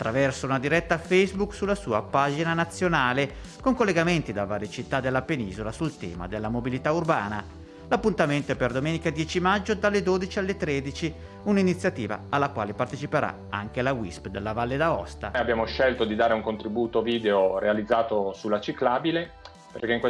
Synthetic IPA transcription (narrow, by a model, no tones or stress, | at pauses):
at̪ːɾavɛrsounad̪iɾɛt̪ːafɛjzbuksulːasuːapaːd͡ʒinanat̪sːjonaːle | koŋkolːeɡament̪id̪avːaːɾjet͡ʃit̪ːad̪ːelːapeniːzolasult̪ɛ̰ːma̰d̪elːamobilit̪aurbaːna | lapːunt̪ament̪oɛperd̪omɛːnikad̪jɛːt͡ʃimad͡ʒːod̪alːed̪oːd̪it͡ʃialːet̪ɾed̪it͡ʃi | uninit̪sːjat̪iːva̰ːlːakwa̰ːlepart̪et͡ʃipeɾʔa̰ | a̰ŋk̟elawispd̪elːavalːed̪aɔ̰st̪aabjaːmoʃɛlt̪od̪id̪aːɾeuŋkont̪ɾibuːt̪oviːd̪eoɾealid̪zːaːt̪osulːat͡ʃiklaːbile | perkeiŋkwe